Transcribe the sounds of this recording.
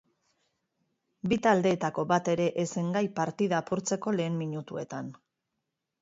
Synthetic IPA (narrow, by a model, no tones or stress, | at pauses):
bit̪ald̪e̞ːt̪ako̞βat̪e̞ɾe̞ʔese̞ŋɡajpaɾt̪iðapuɾt͡se̞ko̞le̞ːmmiɲut̪ue̞t̪an